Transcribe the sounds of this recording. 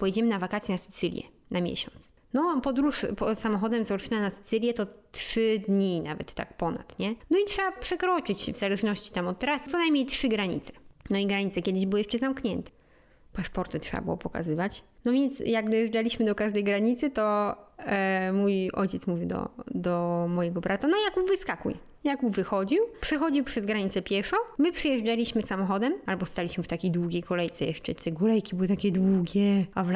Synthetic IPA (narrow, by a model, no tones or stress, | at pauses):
pɔjɛd͡ʑɛmɘnavakat̪sjɛnasɘ̥t̪sɘlʲjɛ̰ | namʲjḛɕɔ̰nt̪s | nɔpɔd̪ɾuʂpɔsamɔxɔd̪ɛmzɔʂɨnanasɘ̥t̪sɘlʲjɛt̪ɔtʂɘd̪ɲinavɛ̰t̪ːa̰kpɔna̰t̪ɲɛnɔitʂɛbapʂɛkɾɔt͡ʂɘt͡ɕvzalɛʐnɔɕt͡ɕi̥t̪amɔt̪ːɛɾast̪sɔnajmɲejtʂɘɡɾaɲḭt̪sɛ̥nɔiɡɾaɲit̪sɛkʲjɛd̪ɘʑbɘwɔjɛʂt͡ʂɛzamkɲɛnt̪ɛ̥ | paʂpɔɾt̪ɨtʂɛ̰ba̰bɨwɔ̰pɔka̰zɘvat͡ɕnɔvʲjɛnt̪sjaɡd̪ɔjɛʐd͡ʐalʲiɕmɘd̪ɔkaʐd̪ɛjɡɾaɲit̪sɘt̪ɔ | mujɔ̰jt͡ɕɛt̪smuvʲiwd̪ɔ̰d̪ɔmɔjɛɡɔbɾʔat̪anɔjakuvɘskakṵj | jakuvɘxɔd͡ʑiwpʂɛxɔd͡ʑiwpʂɛzɡɾaɲit̪sɛpʲjɛʂɔmɘpʂɛjɛʐd͡ʐalʲiɕmɘsamɔxɔd̪ɛmalbɔst̪alʲiɕmɘft̪akʲejd̪wuɡʲejkɔlɛjt̪sɛjɛ̰ʂt͡ʂɛ̰t̪ɛɡulɛjkʲibɨwt̪akʲɛd̪wuɡʲɛav